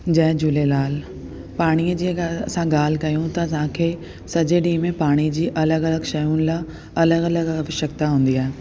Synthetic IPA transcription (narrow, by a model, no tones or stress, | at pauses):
d͡ʑɐɦd͡ʑʊlelaːl | paːɽ̃iəd͡ʑiːɐsãɡaːl̤ɪkɐjũt̪ɐɐsãkʰeː | sɐd͡ʑeɗĩːmẽpaːɽ̃id͡ʑiːʔɐləɡɐləɡʃɐjunɪ̆la | ɐləɡɐləɡɐɐʋɪʃɐk̚t̪aɦũːnd̪iaːɦe